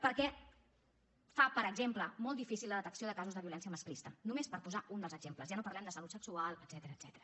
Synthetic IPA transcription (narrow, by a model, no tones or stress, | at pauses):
pəɾkɛ | fapəɾəɡzempləmɔlˠifisilˠːəðət̪əksioðəkazuzðəβiulɛnsijəməsklist̪ənumespəɾpuzaʔund̪əlˠzəɡzempləzʒanopəɾlɛmd̪əsəlut̪səksualˠəd̪z̥ɛt̪əɾəːd̪z̥ɛt̪əɾə